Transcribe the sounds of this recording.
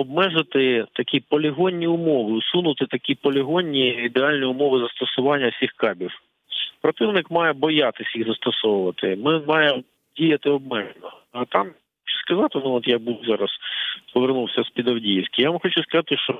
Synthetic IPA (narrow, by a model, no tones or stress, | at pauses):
ɔbmɛʒɪt̪ɪt̪ɐkʲipɔlʲɪɦɔnʲːiʊmɔʋɪʊsunʊt̪ɪt̪ɐkʲipɔlʲɪɦɔnʲːiːd̪eɑlʲnʲiʊmɔʋɪzɐst̪ɔsʊʋɑnʲːɐsʲixkɑbʲiw | pɾɔt̪ɪwnɪkmɑjɛbɔjat̪ɪsʲjiɣzɐst̪ɔsɔwʊʋɐt̪ɪmɪmɑjem | dʲijɐt̪ɪɔb̚mɛʒnɔɐt̪ɑm | xɔt͡ʃʊ̥skɐzɑt̪ɪnuɔt̪jabuwzɑɾɐspɔʋernuwsʲɐspʲid̪ɐwdʲijisʲkʲɪjaʋmxɔt͡ʃʊskɐzɑt̪ɪʃt͡ʃɔ